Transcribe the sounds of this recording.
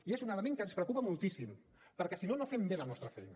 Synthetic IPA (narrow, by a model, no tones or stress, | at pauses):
iezunələmẽŋkənspɾəkupəmulˠt̪isim | pəɾkɛsinonofɛmbelənɔst̪ɾəfɛ̰jnə